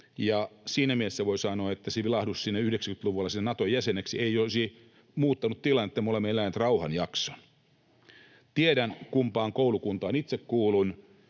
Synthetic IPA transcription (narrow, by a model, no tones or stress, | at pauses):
jɑsiːnæmiesːæʋoisɑnoːet̪ːæseʋilɑhdussinːæyhdeksækyt̪luʋulːˑɑsinːnɑt̪ojæseneksieiosi | muːt̪ːɑnut̪t̪ilɑnet̪ːæmolemːeelænt̪rɑuhɑnjɑkso̥n | t̪ieɾænkumpɑːŋkoulukunt̪ɑːnit̪sekkuːlun